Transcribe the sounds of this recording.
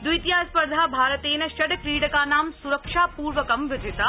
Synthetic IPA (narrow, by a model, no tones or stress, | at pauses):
d̪ujt̪ijaːspɐɾd̪ʱaːbʱaːɾɐt̪eːnɐʃɐɖkɾiːɽɐkaːnaːmsuɾɐkʂaːpuːɾʋɐkɐmʋɪd͡ʒɪt̪ɐ